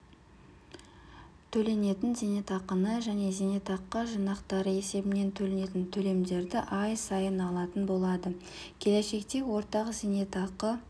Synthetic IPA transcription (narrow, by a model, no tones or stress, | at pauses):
t̪ʰɵle̞ne̞t̪ɪnzene̞t̪ɑqənəʒæne̞zene̞t̪ɑqːəʒənɑqt̪ɑɾəe̞se̞bɪne̞nt̪ʰɵle̞ne̞t̪ɪnt̪ʰɵle̞md̪e̞ɾd̪ɪʔɑjsɑjənɑlˠɑt̪ənbo̞lˠɑd̪ə | kʲʰe̞le̞ʃe̞kt̪e̞wo̞ɾt̪ɑʁəzene̞t̪ɑqːə